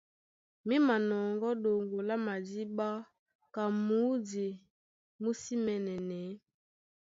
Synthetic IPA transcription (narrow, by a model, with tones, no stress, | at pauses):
mi˦ma˨nɔ˨ŋɡɔ˦ɗo˨ŋɡo˨la˦ma˨di˦ba˦ | ka˨mu˨˦di˨ | mu˦si˦mɛ˨nɛ˨nɛ˨˦